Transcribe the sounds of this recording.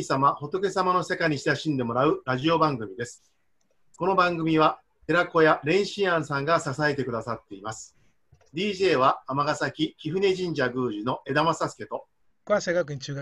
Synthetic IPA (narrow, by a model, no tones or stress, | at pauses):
isamaho̞t̪o̞ke̞samano̞se̞kaɲ̟iɕi̥t̪eɕĩnd̪e̞mo̞ɾaɯ̟ɾaʑio̞bãŋɡɯ̟mʲid̪e̞sɨ̥ | ko̞no̞bãŋɡɯ̟mʲiβa | t̪e̞ɾako̞jaɾẽ̞ɰ̃ɕĩɰ̃ãɰ̃sãŋɡasasae̞t̪e̞kɯ̟d̪asat̪ːe̞imasɨ̥ | d̪ʲiːʑe̞ːβaːmaɡasakʲikʲiɸɯ̟ne̞ʑĩɲ̟d͡ʑaɡɯ̟ːʑino̞ʔe̞d̪amasasɨ̥ke̞t̪o̞ | kaseɡakɯɲit͡ɕːɡ